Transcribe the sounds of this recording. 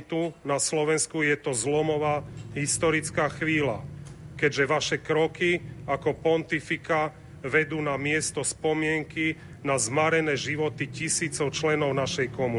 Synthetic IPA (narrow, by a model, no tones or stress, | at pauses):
t̪unaslɔʋɛnskujɛt̪ɔzlɔmɔʋaːɦist̪ɔɾit͡skaːxʋiːla̰kɛɟʒɛʋaʃɛkɾɔkiakɔpɔnt̪ifika | ʋɛd̪uːnamɪɛst̪ɔspɔmɪɛŋki | nazmaɾɛnɛːʒiʋɔt̪icisiːt͡sɔʊt͡ʃlɛnɔʊnaʃɛjkɔmu